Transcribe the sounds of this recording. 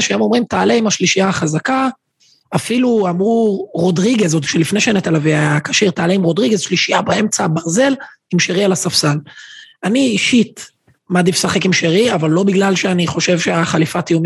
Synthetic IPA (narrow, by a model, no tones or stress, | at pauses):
ʃajomo̞mʁimt̪aːleimaʃliʃijaχazaka | afiluamʁuʁo̞dʁiɡezot̪i̥kʃelifneʃenet̪alaviaakaʃiʁt̪aːleimʁo̞dʁiɡezʃliʃijabae̞mt͡sabaʁze̞l | imʃeʁialasafsalaniːʃit | maːd̪ifsaχe̞kimʃeʁiavalːo̞biɡlalʃeaniχo̞ʃe̞vʃeaχalifat̪ijumi